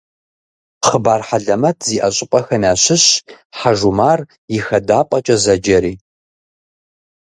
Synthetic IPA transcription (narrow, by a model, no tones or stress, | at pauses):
χəbaːrħaɮɐmɐtʰziːʔɐɕʼɪpʼɐxɐnaːɕɪɕ | ħaʒumaːr | jɪxɐdaːpʼɐt͡ʃʼɐzɐd͡ʒɐɾiː